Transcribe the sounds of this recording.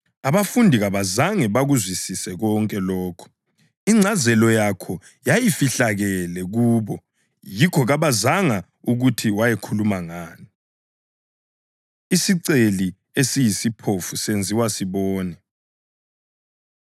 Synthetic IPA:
aβafundʱiɣaβazaŋɛβaɣuzwisisɛɣɔŋkʼɛlɔːkʰɔ̥ | iŋ͡ǀʱazɛlɔjakʰɔ | jajifiɬaɣɛlɛɣuːβɔ | jikʰɔɣaβazaŋa | uɣutʰiwajɛkʰulumaŋaːni | isiǀeli | esijisipʰofusend͡zʱiwasiβɔːnɛ

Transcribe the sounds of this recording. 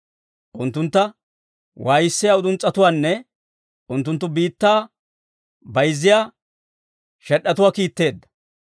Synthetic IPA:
ʔʊnt̪ːʊnt̪ːɐ | wʔaːjɪsːɪjaːʊd̪ʊnt͡sʼːɐt̪ʊwaːnːɛ | ʔʊnt̪ːʊnt̪ːʊbiːt̪ːaː | bɐjzːɪjaː | ʃɛɗːɐt̪ʊwaːkiːt̪ːe̞ːd̪ːɐ̥

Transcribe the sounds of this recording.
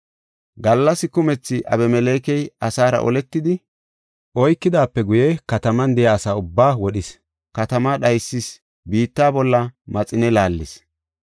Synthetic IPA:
ɡɐlːɐsɪkʊmɛt͡sːɪʔɐ̰bɛmɛleːkɛjɐsaːɾɐ̰ʔɔ̰lɛt̪ːɪd̪ɪ | ʔɔjkːɪd̪aːpːɛɡʊjɛkɐt̪ɐmɐnd̪ɛjaːsaːʊbːaːwɔɗɪs | kɐt̪ɐmaɗɐjsːɪs | biːt̪ːaːbɔlːɐmɐt͡sʼɪnɛlaːlːɪs

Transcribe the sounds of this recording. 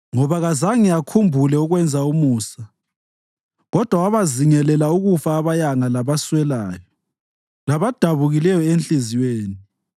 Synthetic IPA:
ŋɔβaɣazaŋiakʰumbʱulɛuɣwɛnd͡zʱaumuːsa | ɣɔd̥ʱwawaβaziŋɛlɛlauɣufaːβajaŋalaβaswɛlaːjɔ | laβad̥ʱaβuɣilɛjɔent͡ɬʼiziweːni

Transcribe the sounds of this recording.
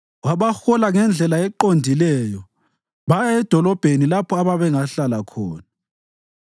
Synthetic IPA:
waβaxɔlaŋɛnd͡ɮʱɛlaɛǃondʱilɛːjɔ | βaɛd̥ʱɔlɔb̥ʱenilapʰɔaβaβɛŋaɬalakʰɔ̰ːna

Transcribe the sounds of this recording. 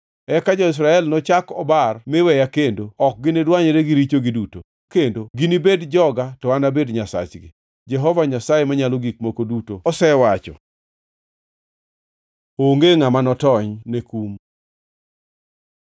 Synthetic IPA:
ɛkad͡ʒɔɪs̬ɾaɛlnɔt͡ʃakɔbarmɪwɛjakendoɔk̚ɡɪnedwaɲeɾeɡɪɾit͡ʃoɡɪduto | kendoɡinibedd͡ʒɔɡatɔwanabedɲasa̰t͡ʃɡɪ̰ | d͡ʒɛɦɔvaɲasajemaɲaloɡik̚mokodutoɔsɛwat͡ʃɔ̰ | oŋɡeŋamanɔtɔɲnekum

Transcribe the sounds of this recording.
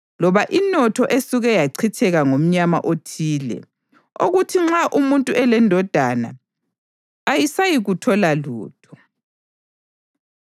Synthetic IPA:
lɔβaʔinɔtʰɔʔesuɣɛjaǀʰitʰɛɣaŋom̩ɲama̰ʔotʰiːlɛ̰ | oɣutʰiŋ͡ǁaʔumuntʼuʔɛlɛndʱɔd̥ʱana̰ | jisajiɣutʰɔlalṵːtʰɔ̥

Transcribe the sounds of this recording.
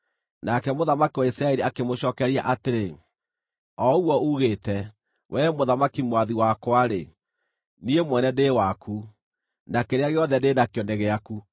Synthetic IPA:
nakɛmoðamakiwaisɾaɛɾiakemoɕɔːkɛɾia̰ʔateɾe | ɔuɔuɣeːtɛ | wɛmoðamakimwaðiwakwaɾe | niemwɛnɛdeːwaku | nakeɾeaɣeɔðɛdenakjɔneɣeaku

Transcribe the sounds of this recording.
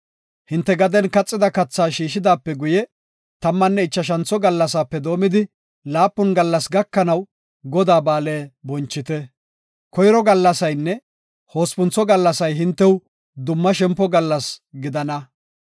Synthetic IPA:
hɪnt̪ːɛɡɐd̪ɛnkɐt͡sʼːɪd̪ɐkɐt͡sːaːʃiːʃɪd̪aːpːɛɡʊjɛ | t̪ɐmːɐnːɛɪt͡ʃːɐʃ̬ɐnt͡sːɔɡɐlːɐsaːpːɛd̪o̞ːmɪd̪ɪ | laːpːɔnɡɐlːɐsɡɐkːɐnɐw | ɡɔd̪aːbaːleːbɔnt͡ʃːɪt̪ɛ | kɔjɾɔɡɐlːɐsɐjnːɛ | ho̞ːspʊnt͡sːɔɡɐlːɐsɐjɦɪnt̪ːɛw | d̪ʊmːɐʃɛmpːɔɡɐlːɐsɡɪd̪ɐnɐ

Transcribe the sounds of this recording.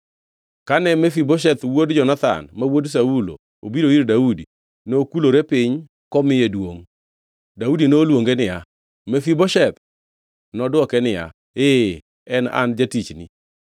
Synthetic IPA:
kanɛmefiboʃ̬ɛt̪wodd͡ʒɔnat̪a̰nmawods̬aulo̰ | obiɾoiɾdaudi | noːkuloɾepɪɲ | kɔmɪjedwoŋ | daudinoːlwoŋɡenɪja | mefiboʃɛt̪̚ | nɔdwɔkɛnɪja̰ | e | ɛna̰nd͡ʒatit͡ʃnɪ̰

